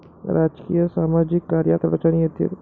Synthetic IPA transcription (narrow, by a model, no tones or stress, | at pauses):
ɾaːd͡ʒkḭjəsaːmaːd͡ʒɪkːaːɾja̰t̪ʋɐt͡ʃanijɐd̪jɐ̰t̪